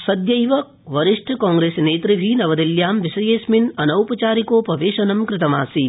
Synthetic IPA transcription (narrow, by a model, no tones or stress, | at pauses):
sɐd̪jɐjʋɐk̚ʋɐɾɪʂʈʰɐkãːŋɡɾeːsneːt̪ɾɪbʱinɐʋɐd̪iljaːmʋɪsɐjeːsmɪnɐnɐwpɐt͡ʃaːɾikoːpɾɐʋeːʃɐnɐmkɾɪt̪ɐmaːsi